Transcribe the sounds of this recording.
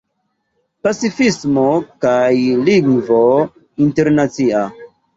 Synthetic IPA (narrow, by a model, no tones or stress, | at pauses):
pat͡sifismokajliŋvo | inteɾnat͡sia